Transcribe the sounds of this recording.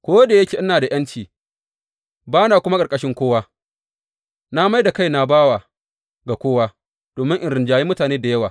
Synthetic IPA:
kʷoː˦deː˨jɐ˦kʲeː˨ʔɪ˦naː˨da˨j̰ɐ˦nt͡ʃiː˨ | baː˦na˨kʷʊ˦ma˦kʼkʼɐ˦ʃɪ˦ŋkʷoː˦waː˦ | na˦ma˦jda˨ka˦˨jna˨baː˦waː˨ | ɡa˨kʷoː˦waː˦ | d̥oː˨mɪ˦ŋʔɪ˦˨ɾɪ˨nd͡ʒaː˨ji˦mʊ˦taː˨neː˦da˨jɐ˦waː˨

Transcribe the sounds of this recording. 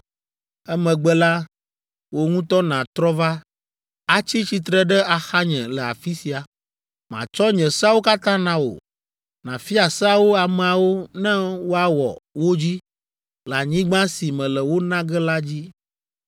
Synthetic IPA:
ɛ˦mɛ̃˨ɡ͡bɛ˦la˦ | wo˦ŋũ˦t̪ɔ˦nã˨t̪ɾɔ˦va˦ | a˦t͡ɕi˦t͡ɕi˨t̪ɾɛ˦ɖɛ˦a˨xa˦ɲɛ̰̃˨lɛ˨a̰˨fi˦si˨a˨ | mã̰˨t͡ʃɔ˦ɲɛ̃˨sa˦wo˦ka˦t̪ã˦nã˦wo̰˨ | nã̰˨fi˦a˨sa˦wo˦a˨mɛ̃˨a˨wo˦nɛ̃˦wo˦a˦wɔ̰˨wo˦d͡ʑi˦ | la˨ɲĩ˦ɡ͡bã˦si˨mɛ̃˨lɛ˨wo˦nã˦ɡɛ˦la˦d͡ʑi˦

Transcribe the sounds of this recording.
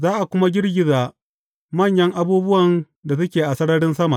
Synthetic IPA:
zaː˦ʔa˨kʷʊ˦ma˦ɡʲɪ˦ɽɡʲɪ˨zaː˨ | mɐ˦˨ɲjɐ˦ŋʔa˦buː˦bʊ˦wɐ˨n | da˨sɐ˦kʲeː˨ʔa˨sɐ˦ɽɐ˦ɽɪ˦nsɐ˦ma˨

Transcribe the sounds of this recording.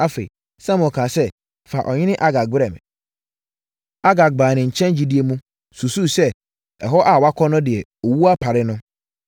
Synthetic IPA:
a˦fḛ˨ | sã˦m̃˨kʰã˨sɛ˦ | fa˨ʔɔ˨ɲɪ̃˦nɪ̃˦ʔa˦ɡa˨k̚bɾɛ̃˨m˨ | a˦ɡa˨k̚baː˨nɪ̃˨ɲ̩˨t͡ɕʰɛ̃˦nd͡ʑi˦di˦e˦mũ˦ | su˨su˦sɛ˦ | ɛ˨ɦɔ˦ʔa˨wa˦kʰɔ˦nʊ̃˦dɪ˨ɛ˨o˨wu˦a˦pʰa˨ɾɪ˦nʊ̃˦

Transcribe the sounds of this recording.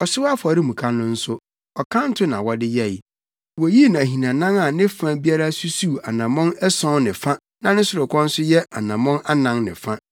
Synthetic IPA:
ɔ˨sɪ˦wa˦fɔ˨ɾɪ˦mũ˨kʰa˦nʊ̃˦n̩˦sʊ˦ | ɔ˨kʰã˦n̩˦tʰʊ˦nã̰˨wɔ˨dɪ˦jɛ˦˨j | wɔ˨˦ji˦nã˨ɦĩ˨nã˨nã˦ŋa˨nɪ̃˦fã˦bi˦a˦ɾa˦su˦su˦˨a˨nã˨mɔ̃˦nɛ˦sɔ̃˦nɪ̃˨fã˦ | nã˨nɪ̃˦sʊ˨ɾʊ˨kʰɔ̃˦n̩˦sʊ˦jɛ˦ʔa˨nã˨mɔ̃˦na˦nã˦ŋnɪ̰̃˨fã˦

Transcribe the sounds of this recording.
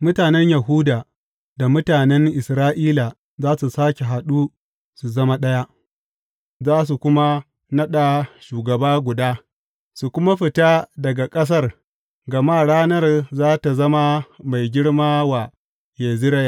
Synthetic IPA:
mʊ˦taː˨nɛ˦ɲja˨ɦu˦da˨ | da˨mʊ˦taː˨nɛ˦ŋʔɪ˨sɾaː˦ʔiː˦la˨ | zaː˦su˨saː˦kʲe˨ɦa˨ɗu˦ | su˨zɐ˦ma˦ɗɐ˦ja˦ʔ | zaː˦s̬u˨kʷʊ˦ma˦ | nɐ˦ɗa˨ʃuː˨ɡɐ˨baː˦ɡʷʊ˨daː˦ | su˨kʷʊ˦ma˦ɸɪ˨ta˦dɐ˨ɡa˨kʼɐ˦s̬ɐ˦r | ɡɐ˨ma˦ɽaː˦nɐ˦rzaː˦ta˨zɐ˦ma˦ma˨jɡʲɪ˦ɽmaː˦wa˨ | je˨zɪ˦ɾɐ˦ja˦˨

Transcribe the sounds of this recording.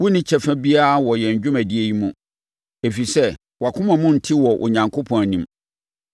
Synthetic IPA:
wʊ˦nɪ̃˦t͡ɕʰɛ˦fɛ̃˦bi˦a˦a˦˨wɔ˨jɛ˨ɲ˨d͡ʑᶣʊ̃˦mæ˨di˦e˦ji˦mũ˨ | e˨fɥi˨sɛ˦ | wa˨kʰʊ̃˦mã˨mʊ̃˦n̩˨tʰi˦wɔ˨ʔʊ̰˨ɲã˨ŋkʰo˦pʰɔ̃˨næ˨nĩ˨m

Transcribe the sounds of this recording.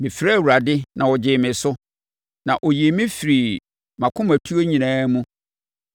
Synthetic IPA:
mɪ̃˨fɾa˦˨wu˨ɾa˨dɪ˦nã˨wɔ˨d͡ʑɪ˨mɪ̃˨sʊ˦ | nã˨ʔɔ˨ji˨e˨mɪ̃˦fi˨ɾi˨ | mã˨kʰʊ̃˦mæ˨tʰu˦o˦ɲĩ˨nãː˦mũ˦

